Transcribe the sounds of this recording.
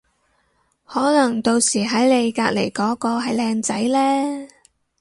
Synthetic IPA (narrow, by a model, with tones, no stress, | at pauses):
hɔː˨˥nɐ˨˩ŋt̪o˧wsiː˨˩ɦɐ˨˥jle˨˧jkaː˧k̚le˨˩jkɔː˨˥kɔː˧ɦɐ˨jlɛː˧ŋt͡sɐ˨˥jlɛː˥